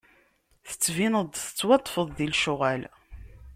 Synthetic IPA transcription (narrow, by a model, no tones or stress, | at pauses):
θə̥t͡sːvinəd̪ˤθə̥t͡sːwɑt̪ˤːfəðˤðilʃʊʁæl